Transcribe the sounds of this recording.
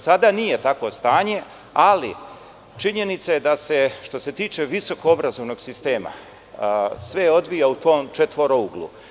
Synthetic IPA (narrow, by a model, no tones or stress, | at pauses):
sad̪anije̞t̪akʋo̞st̪aːɲe̞ | alḭ | t͡ʃiɲe̞nit̪sajed̪ase̞ʃt̪o̞se̞t̪iːt͡ʃe̞ʋiso̞koobɾazo̞ʋno̞ɡsist̪e̞ːma̰ | sʋe̞o̞d̪ʋijaut̪o̞ːmt͡ʃet̪ʋo̞ɾouɡlˠṵ